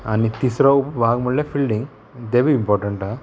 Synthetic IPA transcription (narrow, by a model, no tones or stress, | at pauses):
ɐnːit̪isɾɐupubaːɡɐmɐlːepʰilɖiŋɡ | d̪eʋiimpɔːɾʈɐɳʈa